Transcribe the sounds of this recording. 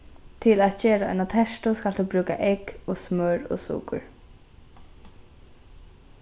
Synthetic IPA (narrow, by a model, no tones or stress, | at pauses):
t̪ʰɪlat̪ceːɾaɔ̰ɪnat̪ʰɛʃt̪ʊskald̪̥uːbɾʉːka̰ʔɛkosmœɹɔ̰sṵːkʊ̰ɹ